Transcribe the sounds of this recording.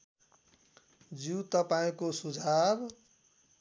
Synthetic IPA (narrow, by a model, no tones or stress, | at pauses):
d͡zit̪ʌpaĩkosud͡zʱab